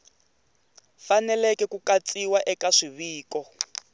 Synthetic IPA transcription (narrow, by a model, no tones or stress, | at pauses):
fanɛlɛkɛkukat͡sʼiwaʔɛkaʂiβiːkɔ